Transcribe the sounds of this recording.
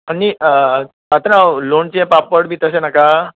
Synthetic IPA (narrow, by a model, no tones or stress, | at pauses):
ani | ət̪ənaloɳt͡ɕẽpapʋəɽbʱiːt̪əsenaka